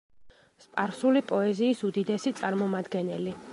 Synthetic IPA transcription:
spʼaɾsulipʼɔɛziːsud̪id̪ɛsit̪sʼaɾmɔmad̪ɡɛnɛli

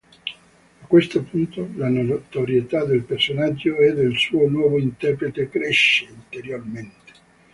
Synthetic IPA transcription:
akːwest̪opunt̪olanot̪oɾjet̪ad̪elpersonad͡ʒːoɛd̪elsuːonwɔːvoint̪ɛrpɾet̪ekɾeʃːeint̪eɾjorment̪e̥

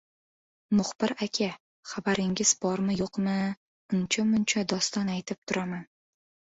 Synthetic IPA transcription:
mʊχb̥ɪɾakʲʰa | χabaɾɪŋɡʲɪz̥bɒɾmɪjoqmɪ | ʊnt͡ʃʰamʊnt͡ʃʰad̪ɒst̪ɒnajt̪ʰɪp̚t̪ʰʊɾaman

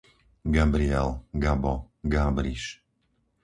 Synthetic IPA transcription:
ɡabɾiɛlɡabɔ | ɡaːbɾiʃ

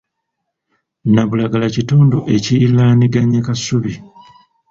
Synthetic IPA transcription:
naβulaɡalacitoːndo̞ʔe̞cilaːniɡaɲekasuβi

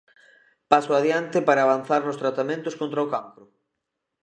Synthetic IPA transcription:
pasoað̞jant̪ɪpaɾaːβ̞an̟θaɾnʊst̪ɾat̪amẽnt̪ʊskõnt̪ɾaokampɾʊ

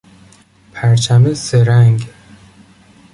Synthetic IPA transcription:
pʰæɾt͡ʃʰæmeseɾæŋɡ

